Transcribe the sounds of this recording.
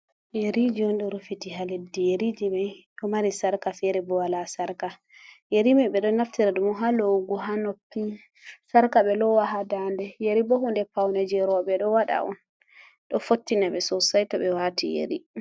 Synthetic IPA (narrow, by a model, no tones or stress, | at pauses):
jeɾid͡ʒiɔnɗɔɾufitiɦaledːijeɾid͡ʒimɛɗɔmaɾisaɾkafɛɾɛbɔwalasaɾka | jeɾimɛɓɛɗɔnːaftiɾaɗumɔɦalowɡuɦanopːi | saɾkaɓɛlɔwaɦadandɛjeɾibɔhundɛpawnɛd͡ʒɛɾɔɓɛɗɔwaɗa̰ʔɔ̰n | ɗɔfotːinaɓɛsɔsajtaɓɛwaːtijḛɾi